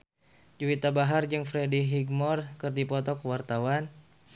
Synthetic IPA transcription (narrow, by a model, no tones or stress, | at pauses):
d͡ʒuwit̪abaɦard͡ʒɨŋfɾediɦiɡmɔrkɨrdipɔt̪ɔkəwart̪awan